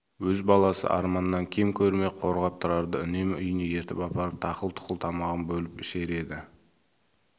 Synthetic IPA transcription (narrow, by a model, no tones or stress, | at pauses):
wɵzbɑlˠɑsə̰ʔɑ̰ɾmɑnəːɑŋkʲʰemkʲʰɵɾme̞qʰo̞ɾʁɑp̚t̪ʰəɾɑɾd̪əʏne̞mʏjəneje̞ɾt̪ɪpɑpɑɾəp̚t̪ʰɑqəlˠt̪ʰʊ̥qəlˠt̪ʰɑmɑʁənbɵlɪpɪʃe̞ɾe̞d̪ɪ